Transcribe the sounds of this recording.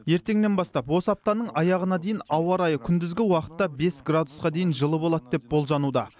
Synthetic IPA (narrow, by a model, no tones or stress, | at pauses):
je̞ɾt̪e̞ŋne̞nbɑst̪ɑpwo̞səɑp̚t̪ɑnəɴɑjɑʁənɑd̪e̞jɪnɑwɑɾɑjəkʲʰʏnd̪ɪzɡʲɪwɑqə̥t̪ːɑbe̞sɡrad̪usqɑd̪e̞jɪnʒəlˠəbo̞lˠɑt̪d̪e̞p̚bo̞lˠʒɑnud̪ɑ